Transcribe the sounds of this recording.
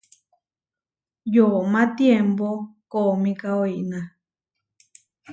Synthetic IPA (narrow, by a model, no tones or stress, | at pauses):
jomãt̪jempokomĩkaoiʔnã